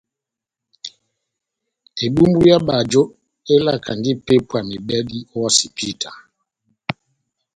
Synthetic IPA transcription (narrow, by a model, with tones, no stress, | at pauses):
e˨ɓu˦mbu˦ja˦ɓa˨d͡ʒo˦ | e˦la˦˨kʰa˨ndi˦pe˦pwa˨mi˨bɛ˦di˦ɔ˦wa˦si˨pʰi˦tʰa˨